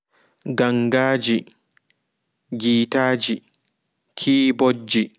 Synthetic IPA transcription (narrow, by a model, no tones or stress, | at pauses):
ɡaŋɡaːd͡ʒi | ɡiːtaːd͡ʒi | kʰiːbod͡ʒːi